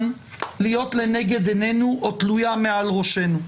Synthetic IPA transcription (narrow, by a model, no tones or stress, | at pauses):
n | lijo̞tleneɡe̞d̪enenuʔotlujamealʁo̞ʃe̞nu